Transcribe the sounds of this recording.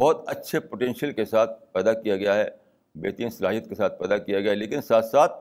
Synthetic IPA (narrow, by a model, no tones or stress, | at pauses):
bɔːt̪ɐtːʃʰepoʈɛ̃ːnʃəlkesaːt̪̚ʰpɛːd̪akijaɡɐjaɦɛ | bḛːt̪iːnsɐɾaːjət̪̚kesaːt̪̚ʰpɛːd̪akijaɡɐjaɦɛleːkɪnsaːt̪ʰsaːt̪̚ʰ